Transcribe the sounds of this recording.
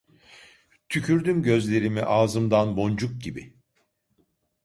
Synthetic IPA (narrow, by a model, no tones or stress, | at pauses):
t̪ʰycʰyɾd̪ymɟø̞zlʲe̞ɾimiʔaːzɯmd̪anbo̞nd͡ʒuk̚ɟibḭ